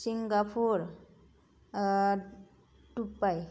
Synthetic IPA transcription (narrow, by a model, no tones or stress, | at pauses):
siŋɡapʰuɾ | ʈupːaj